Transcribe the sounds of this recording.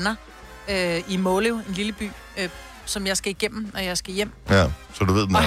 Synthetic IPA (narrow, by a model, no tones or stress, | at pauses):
nɐ | øimoloe̝nliləb̥y̰ː | ø | sɒ̽mjɑ̈ɪsɡ̥æiɡ̥em̰m̩ɒjɑ̈ɪsɡ̥æjem̰sɒduʋe̝ð̰ˠm